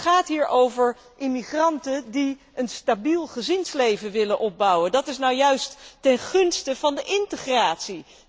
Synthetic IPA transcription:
χaːtɦiːɹʔowvəɹ | ʔɪmiχrɑntədi | ənstabilˠχəzɪnslejvənʋɪlənʔɔb̚bʌwəndɑtɪsnawjœɥstːɛnχɵnstəv̥ɑndəʔɪntəχraːtsi

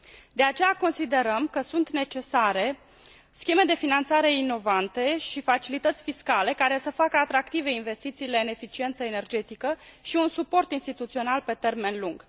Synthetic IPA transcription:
d̪e̞at͡ʃe̞jako̞nsid̪e̞ɾəmkəsunt̪ne̞t͡ʃe̞saɾe̞ | skʲeme̞d̪e̞finant̪saɾe̞ino̞vant̪e̞ʃifat͡ʃilit̪ət̪sʲfiskale̞kaɾe̞səfakəat̪ɾakt̪ive̞inve̞st̪it̪siːle̞ɨne̞fit͡ʃie̞nt̪səene̞rd͡ʒe̞t̪ikəʃiunsupo̞rt̪inst̪it̪ut̪sio̞nalpe̞t̪e̞rme̞nluŋɡ̥

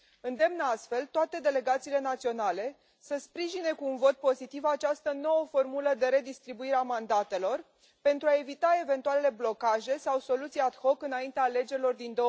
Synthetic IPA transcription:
ɨnd̪e̞mnəast̪fe̞lt̪oat̪e̞d̪e̞le̞ɡat̪siːle̞nat̪sio̞nale̞ | səspɾiʒine̞kuːnvo̞t̪̚po̞zit̪ivat͡ʃast̪əno̞wəfo̞rmuləd̪e̞ɾe̞d̪ist̪ɾibuiɾeamand̪at̪e̞lo̞r | pe̞nt̪ɾuae̞vit̪ae̞ve̞nt̪uale̞le̞blo̞kaʒe̞sawso̞lut̪sijad̪ho̞kɨnaint̪eale̞d͡ʒelo̞rd̪ind̪o

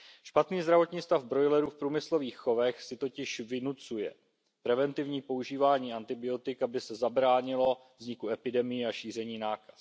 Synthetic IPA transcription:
ʃpat̪niːzd̪ɾavo̞t̪ɲiːst̪avbɾo̞jlɛɾuːfpɾuːmɪslo̞viːxːo̞vɛxsɪt̪o̞cɪʃvɪnut͡sujɛ̰ | pɾɛvɛnt̪ɪvɲiːpo̞uʒiːvaːɲiːant̪ɪbɪo̞t̪ɪkabɪsɛzabɾaːɲɪlo̞vzɲɪkuɛpɪdɛmɪjɛaʃiːr̝ɛɲiːnaːkḁs

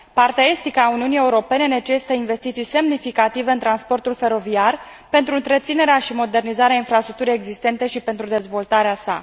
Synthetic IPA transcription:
part̪ae̞st̪ikəaːuniunije̞uɾo̞pe̞ne̞ne̞t͡ʃe̞si̥t̪əinve̞st̪it̪sijse̞mnifikat̪ive̞ɨnt̪ɾanspo̞rt̪ulfe̞ɾo̞viar | pe̞nt̪ɾuɨnt̪ɾe̞t̪sine̞ɾeaʃimo̞d̪e̞rnizaɾeainfɾast̪ɾuk̚t̪uɾeeɡzist̪e̞nt̪e̞ʃipe̞nt̪ɾud̪e̞zvo̞lt̪aɾeasa̰

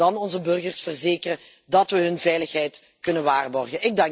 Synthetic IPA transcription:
ɑnɔnzəbɵrɣərsfərzeːkərə | dɑtʋəɦɵnvɛjləxɦɛjt | kɵnənʋaːrbɔrɣənɪɡ̚dɑŋ

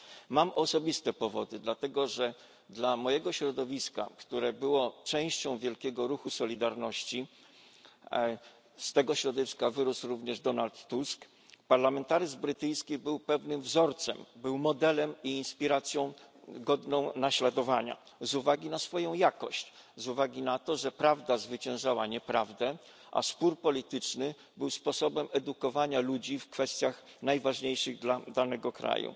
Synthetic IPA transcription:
mamɔsɔbʲist̪ɛpɔvɔd̪ɘd̪lat̪ɛɡɔʐɛ | d̪lamɔjɛɡɔɕɾɔd̪ɔvʲiska̰kt̪uɾɛbɘwɔt͡ʂɛ̃w̃ɕt͡ɕɔ̃w̃vʲjɛlkʲɛɡɔɾuxusɔlʲid̪aɾnɔɕt͡ɕi | st̪ɛɡɔɕɾɔd̪ɔvʲiskavɘɾusɾuvɲɛʐd̪ɔnalt̪ːusk | paɾlamɛnt̪aɾɘzbɾɘt̪ɘjskʲibɘwpɛvnɘmvzɔɾt̪sɛmbɘwmɔd̪ɛlɛmiːnspʲiɾat̪sʲjɔ̃w̃ | ɡɔd̪nɔ̃w̃naɕlad̪ɔvaɲa̰ | zuvaɡʲinasfɔjɔ̃w̃jakɔɕt͡ɕzuvaɡʲinat̪ɔʐɛpɾavd̪azvɘt͡ɕɛ̃w̃ʐawaɲɛpɾavd̪ɛ | ʔa̰spuɾpɔlʲit̪ɘt͡ʂnɘ | bɘwspɔsɔbɛmɛd̪ukɔvaɲalud͡ʑifkfɛst̪ʲjaxnajvaʐɲejʂɘɣd̪lad̪anɛɡɔkɾa̰jṵ

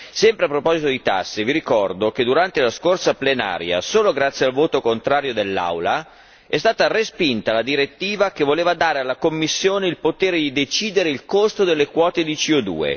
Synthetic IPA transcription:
sɛmpɾeapːɾopɔzit̪od̪it̪a̰sːeviɾikɔrd̪oked̪uɾant̪elaskorsaplena̰ːɾja̰soːloɡɾat̪sːjealvoːt̪okont̪ɾaːɾjod̪elːa̰wla | ɛst̪aːt̪arespint̪alad̪iɾet̪ːiːvak̟evoleːvad̪aːɾealːakomːisːjoːneilpot̪eːɾed̪id̪et͡ʃiːd̪eɾeilkost̪od̪elːekwɔːt̪ed̪it͡ʃiod̪ṵːḛ

